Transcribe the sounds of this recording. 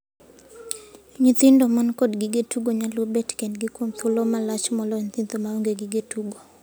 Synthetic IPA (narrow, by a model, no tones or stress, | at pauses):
ɲit̪ɪndomankɔdɡiɡetuɡoɲalwobɛtkendɡɪkwomt̪ʰʊlomalat͡ʃmɔlɔɲt̪ɪnt̪omaoŋɡeɡɪɡetuɡo